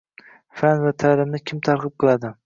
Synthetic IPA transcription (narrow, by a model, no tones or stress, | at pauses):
fanvat̪ʰalɪmnɪkʲʰɪmt̪ʰaɾqʰɨp̚qʰɨlˠad̪ɪ